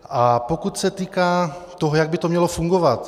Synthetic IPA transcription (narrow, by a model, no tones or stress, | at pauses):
ʔapokut̪sɛt̪iːkaːt̪oɦojaɡ̚bɪt̪omɲɛlofuŋɡovat̪